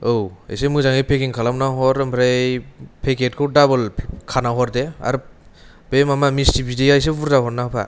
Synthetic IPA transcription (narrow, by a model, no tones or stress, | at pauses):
owḛjsemɯzaŋepʰekiŋkʰalamnaɦɔɾɯmbɾejpʰeket̚kʰɯwdabɯlkʰanaɦɔɾdea̰ɾ | bejmamamistibidejajs̬ebuɾdaɦɔɾnapʰa̰